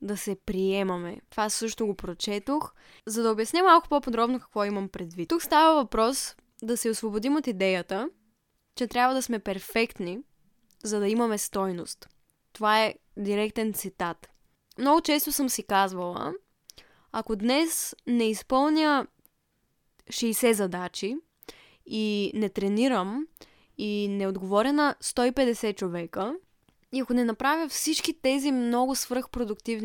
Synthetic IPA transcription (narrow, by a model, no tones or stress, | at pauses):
d̪ɐsɛpɾiɛmɐmɛ̰t̪ovasɤʃt̪ʊɡopɾot͡ʃɛt̪ox | zɐd̪ɐobʲjɐsnʲɛmalˠkʊ̥popod̪ɾɔbnokɐ̥kvɔimɐmpɾɛd̪vit̪ukst̪avəvɐpɾɔs | d̪ɐsɛosvobod̪imot̪id̪ɛjət̪ə | t͡ʃɛt̪ɾʲabvəd̪ɐsmɛpɛɾfɛkt̪ni | zɐd̪ɐimɐmɛst̪ɔjno̰st̪ː | ovaɛd̪iɾɛkt̪ɛnt̪sit̪at̪ | mnɔɡʊt͡ʃɛst̪osɤmsikazvɐlˠə̰ | ɐkod̪nɛsnɛispɤlˠnʲjə | ʃɛjsɛzɐd̪at͡ʃi | inɛt̪ɾɛniɾəm | inɛod̪ɡovɔɾʲənɐst̪ɔipɛd̪ɛsɛt͡ʃovɛkə | iɐkonɛnɐpɾavʲjəfsit͡ʃkit̪ɛzimnɔɡʊsvɾɤxpɾod̪ʊkt̪ivn